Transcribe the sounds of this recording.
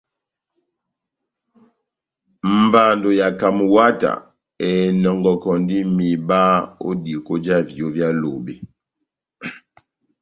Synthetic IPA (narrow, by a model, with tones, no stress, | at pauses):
m̩˨ba˨ndo˨ja˨ka˨mu˨wa˦ta̰˨ | ɛ˨nɔ˨ŋɡɔ˨kɔ˨ndi˦mi˨ba˦o̰˦di˨ko˦d͡ʒa˦vjo˦vja˦lo˨be˨